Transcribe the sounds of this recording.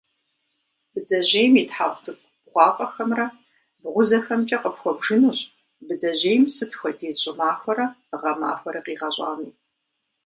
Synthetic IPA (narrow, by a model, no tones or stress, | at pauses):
b̥ɨd͡zɐʑeːjmiːtħaχʷt͡sʼɨp̚ | bʁʷɑːqʼɐxɐmrɐ | bʁʷʊzɐxɐmt͡ʃʼɐqəpxʷɔbʒɨnuːɕʼ | bɨd͡zɐʑeːjmsɨtʰxʷɐdiːzɕʼɪmaːxʷɐɾɐʁɐma̰ːxʷɔɾɐqiːʁɐɕʼa̰ːmiː